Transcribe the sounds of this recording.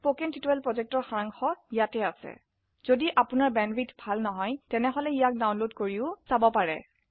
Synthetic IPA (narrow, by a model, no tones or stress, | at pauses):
pokentituɛlpɹɔzɛk̚tɔɹxaɹaŋxɔijatɛasɛ̰ | z̥odiʔapʊnaɹbɛnɹitbʱalnɔɦɔjtɛnɛɦɔlɛijak̚dawnlodkoɹiʊsabɔpaɹɛ̰